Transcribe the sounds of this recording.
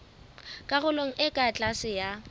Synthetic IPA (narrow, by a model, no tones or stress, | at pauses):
kʼaɣʊloŋ̩ʔɪkʼat͡ɬʼasɪja